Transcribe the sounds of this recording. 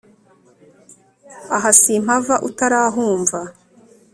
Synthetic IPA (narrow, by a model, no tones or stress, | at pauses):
aɦasim̥avaʔutaɾaːɦuːɱva